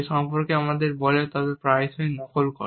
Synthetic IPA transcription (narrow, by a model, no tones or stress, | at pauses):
ʃɔmpoɾkeamad̪eɾbɔlet̪ɔbepɾajsoinɔkolko̰